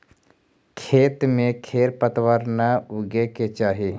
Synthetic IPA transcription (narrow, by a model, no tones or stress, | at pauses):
kʰeːt̪mẽkʰeːɾpət̪wəɾnaʊɡeket͡ʃaːɦi